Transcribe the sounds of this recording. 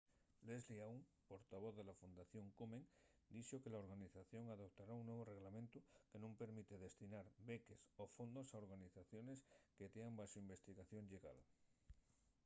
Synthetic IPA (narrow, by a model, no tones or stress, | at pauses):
lezliawŋpoɾt̪aβ̞oððelafund̪aθjo̞ŋkumẽŋ | d̪iʃokelaoɾɣaniθaθjo̞ŋaðop̚t̪aɾauŋnweβ̞oreɣlamẽnt̪ukenõmpe̞ɾmit̪eðe̞st̪inaɾbekesofond̪osaoɾɣaniθaθjone̞sket̪eambaʃoimbe̞st̪iɣaθjoŋʎeɣa̰l